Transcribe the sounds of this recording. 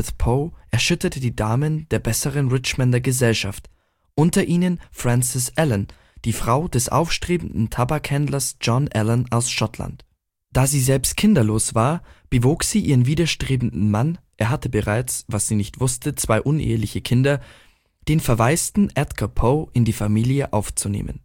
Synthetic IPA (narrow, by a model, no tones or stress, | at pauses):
tpʰoːʔɛɐʃʏtɐtədiːdaːmənd̥eːɐbɛsəʁənʁɪt͡ʃmɛndɐɡəzɛlʃa̰ft | ʔʊntɐʔiːnənfʁ̥ɛ̃nsɪsʔɛlən | d̥iːfʁ̥aʊd̥ɛsʔa̰ʊfʃtʁ̥eːbn̩dn̩tʰabakhɛndlɐsd͡ʒ̥ɔnʔɛlənaʊsʃɔtla̰nt | d̥aːziːzɛlpstkʰɪndɐloːsv̥aːɐb̥əvoːkz̥iːʔiːʁənviːdɐʃtʁ̥eːbn̩dn̩manʔeːɐɦatəbəʁaɪt͡svasz̥iːnɪçtv̥ʊstʰət͡sv̥aɪʔʊnʔḛːəlɪçəkʰɪndɐ | d̥eːnfɛɐvaɪstn̩ʔɛtkʰɐpʰoʔɪndiːfamiːljəʔaʊft͡sunḛːmʔə̰n